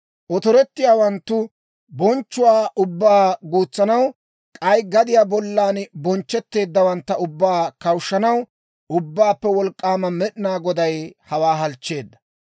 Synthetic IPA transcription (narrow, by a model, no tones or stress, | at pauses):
ʔɔt̪ɔɾɛt̪ːɪjaːwɐnt̪ːʊ | bɔnt͡ʃːʊwaːʔʊbːaːɡuːt͡sːɐnɐw | kʼɐjɡɐd̪ɪjaːbɔlːaːnbɔnt͡ʃːɛt̪ːe̞ːd̪ːɐwɐnt̪ːɐʊbːaːkɐwʃːɐnɐw | ʊbːaːpːɛwɔlkʼːaːmɐmɛɗɪnaːɡɔd̪ɐjhɐwaːɦɐlt͡ʃːe̞ːd̪ːɐ